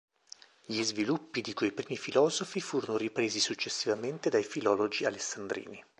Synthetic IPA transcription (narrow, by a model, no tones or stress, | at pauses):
ʎizvilupːid̪ikwejpɾiːmifilɔːzofifuːɾonoɾipɾeːzisut͡ʃːesːivament̪ed̪ajfilɔːlod͡ʒialesːand̪ɾḭːni